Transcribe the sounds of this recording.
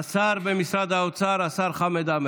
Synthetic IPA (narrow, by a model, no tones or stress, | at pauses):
saːɾbɛmisɾad̪aut̪sʰaːɾasaɾχamɛd̪amɛ